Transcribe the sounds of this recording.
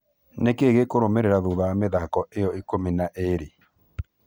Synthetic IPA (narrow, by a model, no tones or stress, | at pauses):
nekeɣekoɾomeɾeɾaðoðajameðakɔʔejɔikominaʔeɾe